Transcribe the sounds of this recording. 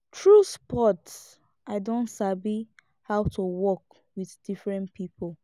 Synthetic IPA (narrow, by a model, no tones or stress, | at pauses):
tʰɹuspɔts | ʔaɪdõntsabi | hawtʰuwɔk | wiðd̥ifɹɛ̃npipol